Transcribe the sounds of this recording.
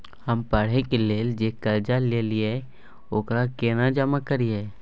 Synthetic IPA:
həmpəɽ̤ekeleːld͡ʒeːkəld͡ʒaleːliɛ | oːkɾakeːnad͡ʒəmakəɾiɛ

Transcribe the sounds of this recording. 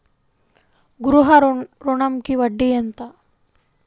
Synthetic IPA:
ɡuɾuɦɐɾɾoɳɐmkiʋɐɖːijent̪a

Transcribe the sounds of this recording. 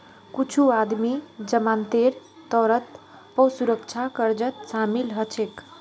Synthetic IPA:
kut͡ʃʰuad̪mid͡ʒəmant̪eɾ | t̪ɔɾət̪ | pɔsuɾək̚t͡ʃʰakəɾd͡ʒət̪samilɦət͡ʃʰek

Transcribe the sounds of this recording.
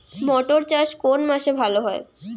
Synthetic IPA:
mɔʈoɾt͡ɕaʃkonmaʃebʱaloɦɔe

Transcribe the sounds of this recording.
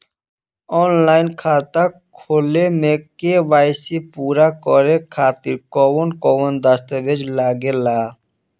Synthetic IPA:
ɔnlajnkʰat̪akʰolemekebajsipuɾakɔɾekʰat̪iɾkɔwonkɔwond̪ast̪abed͡ʒlaɡela

